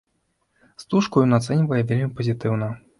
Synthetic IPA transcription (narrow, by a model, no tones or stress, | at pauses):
st̪uʂkujɔnat̪sɛnʲivɐjɛvʲelʲmʲipɐzʲit̪ɨwnɐ